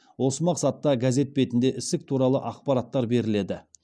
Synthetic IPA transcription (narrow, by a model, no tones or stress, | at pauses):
wo̞səmɑqsɑt̪ːɑɡaze̞t̪̚be̞t̪ɪnd̪e̞ʔɪst̪ɪk̚t̪ʰuɾɑlˠə̰ʔɑqpɑɾɑt̪ːɑɾbe̞ɾɪle̞d̪ɪ